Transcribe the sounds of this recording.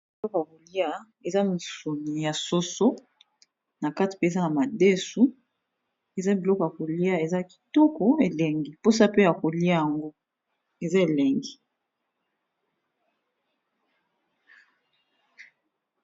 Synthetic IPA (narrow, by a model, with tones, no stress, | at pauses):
bi˨lɔ˦kɔ˨ja˨ko˨li˦a˦ | e˨za˦mi˨su˨ni˨ja˨so˦so˦ | na˨ka˦ti̥˨pe˦e˨za˦na˨ma˨de˦su˦ | e˨za˦bi˨lɔ˦kɔ˨ja˨ko˨li˦a˦e˨za˦ki̥˨tɔ˦kɔ˨e˨le˨ŋɡi˨po˦sa˦pe˦ja˨ko˨li˦a˦jja˨ŋɡo˦ | e˨za˦e˨le˨ŋɡi˨